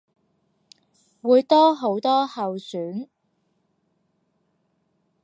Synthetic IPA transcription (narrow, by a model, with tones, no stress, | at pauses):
wuː˨˧jt̪ɔː˥ɦo˨˥wt̪ɔː˥hɐ˨wsyː˨˥n